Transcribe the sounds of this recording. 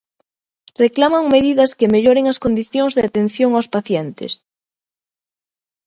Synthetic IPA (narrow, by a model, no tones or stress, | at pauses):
reklamaŋmeðiðɐskemeʎoɾeŋaskond̪iθjõŋzðeat̪ẽn̟θjoŋawspaθjent̪ḛs